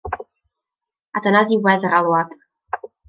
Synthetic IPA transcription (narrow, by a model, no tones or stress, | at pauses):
adənaðiwɛðəɾalˠwad̥